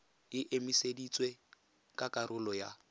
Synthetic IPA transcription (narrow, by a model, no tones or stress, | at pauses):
ɪʔemisedit͡sʼwe | kʼakʼarʊlɔja